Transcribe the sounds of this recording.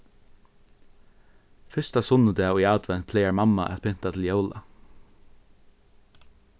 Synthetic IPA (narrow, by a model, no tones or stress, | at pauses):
fɪst̪asʊnːəd̪ɛːʊjaːt̪ʋɛnt̪̚pʰlɛːjaɹmamːa̰ʔæ̰t̪pʰʏn̥t̪at̪ʰɪljoːwla̰